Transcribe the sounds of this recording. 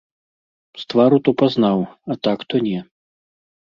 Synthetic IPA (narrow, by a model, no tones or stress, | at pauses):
st̪vaɾut̪ɔpaznawɐt̪akt̪ɔnʲɛ